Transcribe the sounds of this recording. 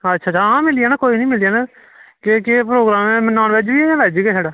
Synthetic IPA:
ətːʃʰaːt͡ʃaːãːmɪlijaːnaːkoːiːnĩːmɪlijaːna | kekepɾoːɡɾaːmemənaːnbed͡ʒʋiːlɛd͡ʒiɡeːsaːɖaː

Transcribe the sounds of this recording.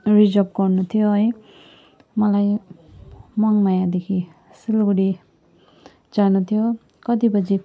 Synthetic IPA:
ɾid͡ʒɔp̚kɔɾnut̪ʰijoj | malaj | maŋmajad̪ekʰi | silɡuɽi | d͡ʒanut̪ʰijo | kʌd̪ibʌd͡ʒi

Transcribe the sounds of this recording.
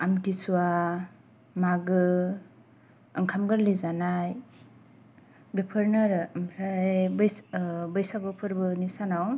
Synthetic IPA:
amdisuwa | maɡɯ | ɯŋkʰamɡɯɾlizanaj | bepʰɯɾnaɾɯmpʰɾajbjbɯjsabɯpʰɯɾbɯnisanaw

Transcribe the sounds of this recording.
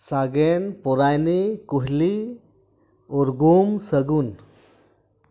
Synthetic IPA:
saɡɛnpɔɾajnikuɦli | ɔɾɡumsəɡun

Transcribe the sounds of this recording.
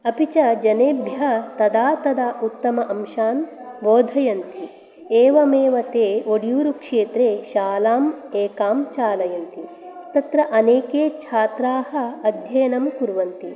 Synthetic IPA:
ɐpit͡ʃɐd͡ʒɐneːbʱjɐt̪ɐd̪aːt̪ɐd̪aːʔut̪ːɐmɐʔɐmʃaːn | ʋoːd̪ʱɐjɐnt̪i | eːʋɐmeːʋɐt̪eːoɽjuːɾukʂeːt̪ɾeːʃaːlaːmeːkaːmt͡ʃaːlɐjɐnt̪i | t̪ɐt̪ɾɐʔɐneːkeːt͡ʃʰaːt̪ɾaːhɐ̆ɐd̪ʱjɐjɐnɐmkuɾʋɐnt̪i

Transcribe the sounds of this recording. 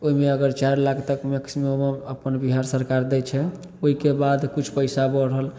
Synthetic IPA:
oimeəɡəɾt͡ʃaɾlakʰt̪əkmeksimomeəpənbiɦaɾsəɾkaɾd̪ɛt͡ʃʰɛ | oɦikebad̪kut͡ʃʰpəɪsabəɽɦəl

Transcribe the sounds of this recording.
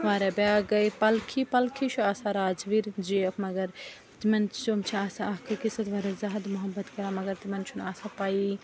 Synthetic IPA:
ʋaːɾebaːɡɐjpɐlkʰipɐlkʰit͡ʃʰuaːsaɾaːd͡ʒʋiɾd͡ʒiɐkmɐɡɐɾ | t̪imɐnt͡ʃomt͡ʃʰiaːsaɐɦkʰɐkisɐt̪ʋaːɾɐzɐɦɐd̪muɦɐbːɐt̪kɐɾamɐɡɐɾt̪imɐnt͡ʃʰunaːsapaːi

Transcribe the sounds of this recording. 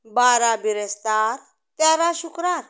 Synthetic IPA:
baɾabiɾɛst̪aɾ | t̪jaɾaɕukɾaɾ

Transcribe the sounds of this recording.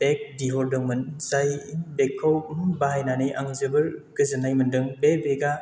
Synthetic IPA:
b̥ek̚diɦɔldɯŋmɯnzajbekʰːawbaɦajnanɯjʔaŋzɯbɯɾɡɯzɯnajmɯndɯŋbebeɡa

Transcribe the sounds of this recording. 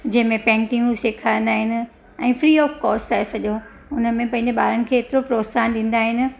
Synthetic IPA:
d͡ʑɐ̃ɦɪ̃mẽpɛ̃ːŋʈɪ̃ŋɡseːkʰãːnd̪aːɦɪnɪ̆ | ɛ̃ːfɾiːɔːfkɔːsʈaːɦesɐʄo | ʊnəmẽpɐ̃ɦɪ̃ɲd͡ʑeɓaːɾənɪ̆kʰeːt̪ɪɾopɾoːsaːnɗĩːn̆d̪aːɦɪnɪ̆

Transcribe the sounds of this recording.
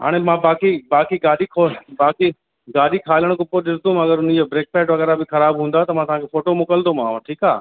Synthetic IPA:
ɦa̰ːɽ̃emãːbaːkibaːkiɡaːɗikʰobaːki | ɡaːɗikʰaːləɽ̃kʊpːoɗɪst̪õmɐɡəɾʊn̤id͡ʑobɾeːk̚pɛːʈʋɐɣɛːɾabɪxɐɾaːbɦũːnd̪aɦet̪ɐm̤ãt̪ɐɦãːkʰefoːʈomʊkəld̪omããʈʰiːkaː

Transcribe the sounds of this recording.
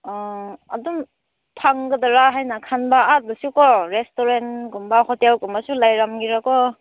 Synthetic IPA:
ɔadum | pʰaŋɡədaɾaɦajnakʰanbaːt̚bɯsukɔɾestoɾentɡumbahɔtjawkumasulajɾamɡiɾakɔ

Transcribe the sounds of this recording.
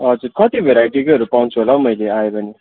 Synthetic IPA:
ʌd͡zuɾkʌt̪ibʱeɾaiʈikeʌɾupaũnt͡sʰuɦolãmʌjleaebʱʌni

